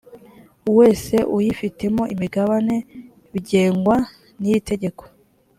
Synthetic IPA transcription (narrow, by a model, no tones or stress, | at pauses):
uwe̞ːse̞ʔujifite̞mo̞ʔimiɡaβane̞ | βiɟe̞ːŋɡwa | nijite̞ɟe̞ko̥